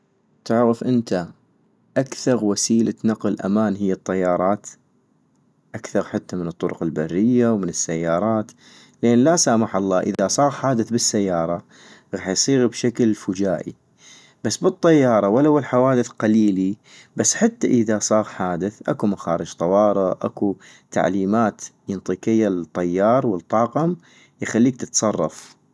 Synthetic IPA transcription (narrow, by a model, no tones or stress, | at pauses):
t̪ɪʕɣɪfʔɪnt̪a | ʔakθɑɾˤwasiːlat̪naqəlʔa̰maːnɦɪjːɨt̪ˤːɑjːɑːɾˤɑːt̪ | ʔakθɑɾˤħat̪ːamɪnɨt̪ˤːʊɾʊ̰qɪlbarːɪjːawmɪnɪsːajːɑːɾˤɑːt̪ | lʔeːnlasaːmaħɑlˤːɑːʔɪðasˤɑːɣħaːd̪ɪθbɪsːajːɑːɾˤɑ | ɣɑːħjsˤiːɣbʃaklfʊd͡ʒaːʔḭ | b̥asːbɨt̪ˤːɑjːɑːɾˤɑwalːawɪlħawaːd̪ɪθqaliːli | basːħat̪ːaʔɪðasˤɑːɣħaːd̪ɪθʔakumaxaːɾɪd͡ʒt̪ˤɑwɑːɾˤɨʔʔa̰ku | t̪ʰa̰ʕliːmaːt̪jɨnt̪ˤɨqɪjːalt̪ˤːɑjːɑːɾˤwɪlt̪ˤːɑːqʊm | jxalːiːk̚t̪ɪt̪sˤɑrˤːɑ̰f